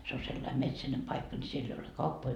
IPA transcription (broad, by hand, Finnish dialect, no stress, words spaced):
se o selːɑim metsænem pɑikːɑ ni sielː ei ole kɑupːoi